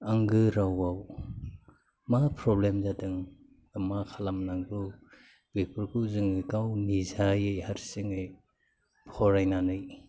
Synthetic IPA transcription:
aŋɡɯɾawaw | mapʰɾɔblemzadɯŋ | amakʰalamnaŋɡɯ | bek̚pɯɾkʰɯzɯŋɯkawnizajejhaɾsiŋej | pʰɔɾajnanɯj

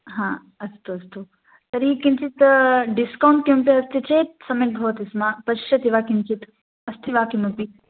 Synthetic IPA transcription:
ɦãː | ɐst̪uɐst̪u | t̪ɐɾikint͡ʃit̪ɖiskawɳʈkimpiɐst̪it͡ʃʰeːt̪̚sɐmjɐk̚bʱɐʋɐt̪ismaːpɐʃɐt̪iʋaːkint͡ʃit̪ | ɐst̪ʰiʋaːkimɐpi

